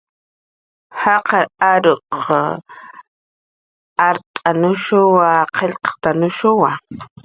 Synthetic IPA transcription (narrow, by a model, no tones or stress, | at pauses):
hɑqɑɾaɾoq | aɾt̪ʼanʊʃʊwaqelqt̪anʊʃʊwa